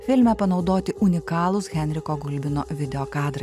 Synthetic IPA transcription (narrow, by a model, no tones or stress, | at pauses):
fʲɪlʲmʲɛpɐnɒʊd̪oːt̪ʲɪʔʊnʲɪkɑːlˠʊsɣʲɛnʲɾʲɪkoːɡʊlʲbʲɪno̰ːʋʲɪd̪ʲɛoːkɑːd̪ɾɐɪ